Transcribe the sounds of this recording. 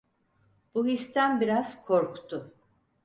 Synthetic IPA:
b̥uɦist̪ʰænbiɾaz̥kʰoɾkʰt̪ʰʊ

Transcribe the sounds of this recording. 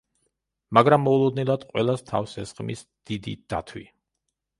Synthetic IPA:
maɡɾamːɔulˠɔd̪nɛlˠad̪qʼwɛ̰lˠast̪ʰafsɛsχʼmḭsd̪̥id̪ḭd̪̥at̪ʰwḭ

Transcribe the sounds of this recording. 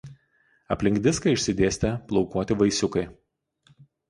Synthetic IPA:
ɐpʲlʲɪŋɡd̪ʲɪskɐɪʃʲsʲɪd̪ʲeːsʲt̪ʲɛplˠɒʊkuɔːt̪ʲɪʋɐɪsʲʊkɐɪ

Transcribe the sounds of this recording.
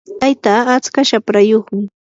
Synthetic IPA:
t̪ajt̪aːt͡skaʃapɾajoχmɪ

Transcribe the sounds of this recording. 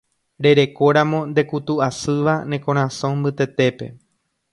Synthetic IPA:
ɾe̞ɾe̞ko̞ɾãmõ̞nd̪e̞kut̪uasɨʋanẽ̞kõ̞ɾ̃ãsõmbɨt̪e̞t̪e̞pe̞̰

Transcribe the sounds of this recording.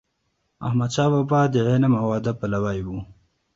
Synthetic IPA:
a̰hmad̪ʃɑːwabɑd̪əʕenamawɑd̪apalawajwu

